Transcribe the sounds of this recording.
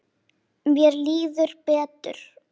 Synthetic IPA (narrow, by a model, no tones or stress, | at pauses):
mjɛɾliːðʏɾpɛːt̪ʏ̰ɾ̥